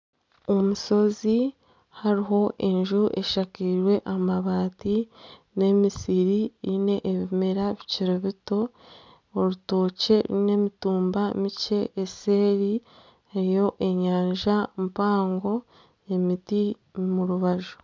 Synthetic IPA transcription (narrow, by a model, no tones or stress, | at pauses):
o̞muso̞zi | haɾiɦo̞ʔe̞ɲʒuʔe̞ʃakiɾwe̞ʔamaβaːti | ne̞misiɾiɾine̞ʔːβimeɾaβiciɾeβito̞ː | ɾuto̞ːce̞ɾine̞mituːmbamice̞ʔːse̞ːɾi | eɾijo̞ʔe̞ɲaːɲʒampaːŋɡo̞ | je̞miti | muɾuβaʒu̥